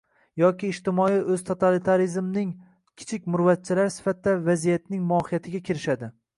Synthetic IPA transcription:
jɒkʲɪːʃt̪ɪmɒiʔɵzt̪ʰot̪ʰalit̪ʰaɾizmnɪŋ | kʲʰɪ̥t͡ʃʰɪkʲmʊɾvat̪̚t͡ʃʰɪlaɾsɪ̥fat̪̚d̪avazijat̪nɪŋmɒhɪjat̪ʰɪɡʲakʲʰɪɾɪʃad̪ɪ

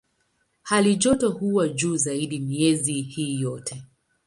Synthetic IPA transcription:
haliʄɔtɔhuwad͡ʒuːzaiɗimiɛzihiːjɔtʰɛ

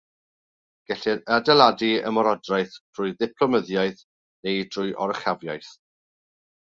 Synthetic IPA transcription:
ɡ̥ɛɬɪəadɛlˠadiə̰mɔɾɔdrajθd̥ʰrʊjðɪpʰlɔməðjajθ | nejd̥ʰrʊjʔɔ̰ɾəχavjajθ

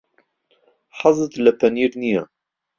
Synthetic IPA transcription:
ħɑzˤɨt̪ləpʰæniːɾnija

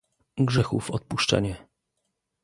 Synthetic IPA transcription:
ɡʐɛxufɔt̪̚puʂt͡ʂɛ̰ɲɛ

